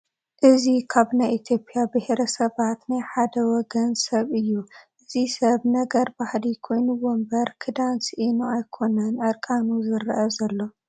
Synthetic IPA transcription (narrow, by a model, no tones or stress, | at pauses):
ʔɨzikʰaβnajʔit̪ʰjo̞pʼijabɨhɾɐsɐβat̪najħad̪ɐwɔɡɐnsɐβɨjːuʔɨzisɐβnɐɡɐɾbahlikʰo̞jnuwombɐɾkʰɨd̪ansʔinuajkʰo̞nɐnʔɐɾkʼanuzɨɾʔɐzɐlːo̞